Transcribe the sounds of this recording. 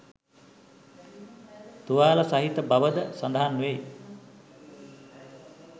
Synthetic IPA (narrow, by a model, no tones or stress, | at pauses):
t̪uʋaːlɐsaɦit̪əbɐʋəd̪əsand̪aɦanːʋej